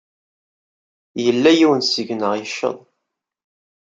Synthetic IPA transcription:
jəlːæjiwənsəʝnəʁjəʃːə̰ðˤ

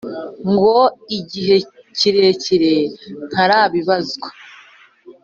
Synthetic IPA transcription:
ŋɡoiɟiɦe̞ | ciɾeciɾen̥haɾaːβiβazɡa

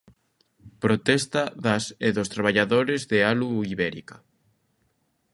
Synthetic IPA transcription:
pɾot̪ɛst̪aðaseðost̪ɾaβaʎaðoɾezðealuiβɛɾika

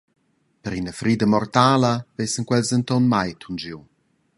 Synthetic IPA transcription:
pəɾinəfɾiːd̪əmɔrt̪aːləvesəŋkwɛlzənt̪ɔnmajt̪ʰund͡ʒiw

